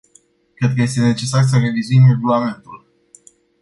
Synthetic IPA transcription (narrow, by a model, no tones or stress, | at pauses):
kɾe̞d̪̚kəje̞st̪e̞ne̞t͡ʃe̞sars̬əre̞vizuimre̞ɡulame̞nt̪ul